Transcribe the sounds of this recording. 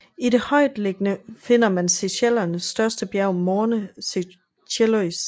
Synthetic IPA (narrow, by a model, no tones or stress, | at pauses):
iɾe̝hɒ̽ɪ̰d̥le̝ɡ̥ənəfe̝n̰ɐmænseɕel̰ɐnəsːd̥ɶɐsd̥əb̥jæɐʊmɒːnəse | ɕelois